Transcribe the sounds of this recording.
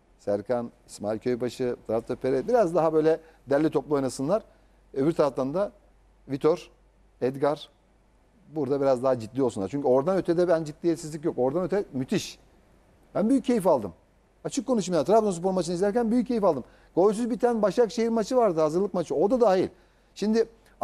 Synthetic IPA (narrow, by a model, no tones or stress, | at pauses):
sæɾkʰanismailʲcʰø̞jbaʃɯt̪ʰɾaft̪ʰopʰeɾɛbiɾazd̪aɦabø̞jlʲɛ | d̪ælʲːit̪ʰo̞plˠuo̞jnasɯnlˠaɾ | øβiɾt̪ʰaɾaft̪ˠannd̪a | vit̪ʰo̞ɾ | ɛd̪ɡaɾ | buɾd̪abiɾazd̪aɦad͡ʒit̪̚ʲːijosunˠaɾt͡ʃʰyɲco̞ɾd̪anøt̪ʰɛd̪ɛbænd͡ʒit̪lʲijɛt̪sizlʲic̬jo̞ko̞ɾd̪anøt̪ʰɛmyt̪ʰiʃ | bænbyjyccːe̞jifalˠd̪ɯm | at͡ʃʰɯkkːo̞nuʃmajaɾt̪ʰɾafd̪onspo̞ɾmat͡ʃʰɯnizlʲæɾcænbyjycʰːe̞jifalˠd̪ɯm | ɡ̥o̞lʲs̬yzbit̪ʰænbaʃakʃejiɾmat͡ʃʰɯvaɾd̪ɯhazɯɾlˠɯk̚mat͡ʃʰɯo̞d̪ad̪aːilʲ | ʃimd̪ɪ